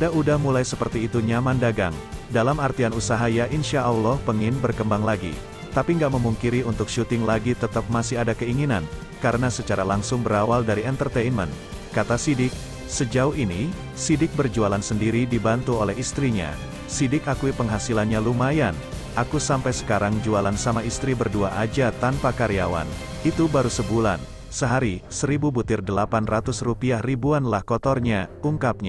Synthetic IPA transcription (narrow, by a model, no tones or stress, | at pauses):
adaudahmulajsəpərt̪iːt̪uɲamandaɡa̰ŋdalamart̪ianusaɦajaʔinʃaʔawlɔhpəŋɪnbərkəmbaŋlaɡḭ | t̪apiŋɡaʔməmuŋkiɾiunt̪ʊk̚ʃut̪ɪŋlaɡit̪ət̪əp̚masiadakəiŋinan | kaɾənasət͡ʃaɾalaŋsʊŋbəɾawaldaɾiɛnt̪ərt̪ejnmə̰n | kat̪asidɪk̚ | səd͡ʒauhini | sidɪk̚bərd͡ʒualansəndiɾidibant̪uolɛɦist̪ɾiɲa̰ | sidɪkakuipəŋɦasilanɲalumajanʔakusampajsə̥kaɾaŋd͡ʒualansamaist̪ɾibərduaʔad͡ʒat̪anpakaɾiawa̰n | it̪ubaɾusəbula̰n | səɦaɾisəɾibubut̪ɪrdəlapanrat̪ʊsrupiahribuanlahkɔt̪ɔrɲauŋkap̚ɲa